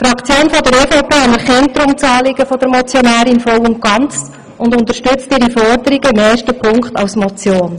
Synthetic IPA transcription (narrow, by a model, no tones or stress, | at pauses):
fɾɑkʰt͡sjoːnfɔdəɾeːfɑʊpʰeːɑnɛɾχɛntːɾʊmt͡sɑːlɪɡəfɔd̥əɾmɔt͡sjɔnæːɾɪnfɔwʊnt̚ɡ̥ɑnt͡s | ʊndʊntəʃtʉt͡stɪɾifɔrdəɾiɡəɪmeːʃtəpʰʊŋktɑwsmɔt͡sjoːn